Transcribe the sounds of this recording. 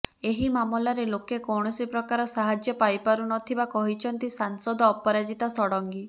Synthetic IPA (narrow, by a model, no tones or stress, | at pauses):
eɦimamɔlaɾelokekɔwɽ̃ɔsipɾɔkaɾɔsaɦad͡ʒjɔpajpaɾunɔt̪ʰibakɔɦit͡ʃʰɔnt̪isaŋsɔd̪ʱɔːpɔɾad͡ʒit̪asɔɽɔŋɡi